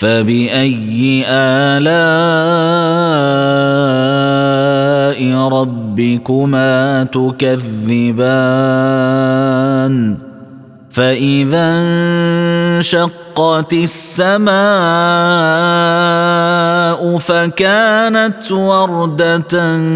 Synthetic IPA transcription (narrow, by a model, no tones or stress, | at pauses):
fabɪʔajːɪʔaːlaː | ʔɪɾˤɑbːɪkʊmaːt̪ʊkaðːɪba | n | faʔɪðan | ʃɑqːɑt̪ɪsːamaː | ʔʊfakaːnat̪wɑɾˤd̪at̪